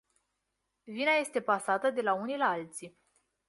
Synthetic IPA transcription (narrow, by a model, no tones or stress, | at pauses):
vinaje̞st̪e̞pasat̪əd̪e̞launilalt̪si